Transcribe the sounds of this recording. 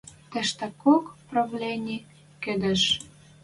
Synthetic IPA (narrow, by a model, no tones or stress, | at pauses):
t̪ɘ̆ʃt̪ə̆kokprɑvlʲenʲi | kɘ̆d̪ə̆ʃ